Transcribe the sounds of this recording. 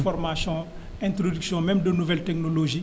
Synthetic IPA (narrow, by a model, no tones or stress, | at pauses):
fɔrmasjɔ̃ | ɛ̃t̪ɾodyksjɔ̃mɛ̃mdənuvɛltɛknoloʒi